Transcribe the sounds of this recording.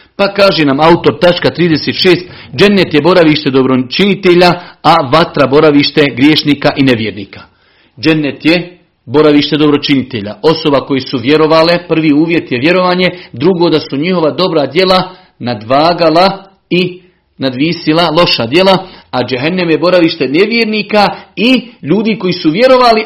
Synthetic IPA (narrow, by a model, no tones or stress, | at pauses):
pakaːʒenamaut̪o̞ɾt̪at͡ʃkat̪ɾiːd̪eset̪ʃeːst̪ | d͡ʒe̞nːet̪je̞bo̞ɾaʋiːʃt̪e̞d̪o̞bɾot͡ʃinit̪eʎaaʋat̪ɾabo̞ɾaʋiːʃt̪e̞ɡɾjeːʃniːkaʔine̞ʋjeɾniːka | d͡ʒenːet̪je̞ | bo̞ɾaʋiːʃt̪e̞d̪o̞bɾo̞t͡ʃinit̪eʎa̰ʔo̞so̞bako̞jesuʋje̞ɾo̞ʋaːle̞pr̩ʋiːuːʋje̞t̪je̞ʋje̞ɾo̞ʋaːɲe̞d̪ɾuɡod̪asuɲiho̞ʋad̪o̞bɾad̪je̞lˠa | nad̪ʋaːɡala | i | nad̪ʋiːsilalˠo̞ʃad̪je̞laad͡ʒeɦɛnːamjebo̞ɾaʋiːʃt̪eneʋjeːɾniːkaiʎuːd̪iko̞jiːsuʋje̞ɾo̞ʋaːli